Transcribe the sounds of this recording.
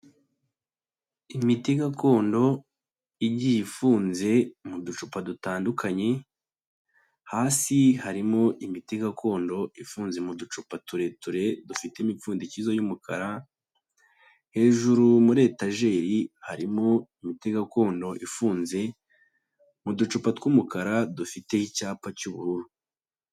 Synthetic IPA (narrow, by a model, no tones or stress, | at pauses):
imitiɡako̞ːndo̞ | iɟijifuːnze̞mudut͡ʃupadutaːndukʰaɲe̞ | haːsihaɾimo̞ʔimitiɡakʰo̞ːndo̞ifuːnze̞mudut͡ʃupatuɾe̞tuɾe̞dufitemifuːndicizojumukʰa̰ɾa | he̞ːʒuɾumuɾe̞ːtaʒe̞ːɾihaɾimo̞imite̞ɡako̞ːndo̞ʔifuːnze̞ | mudut͡ʃupatkumukaɾadufite̞icaːpacuβṵɾuɾu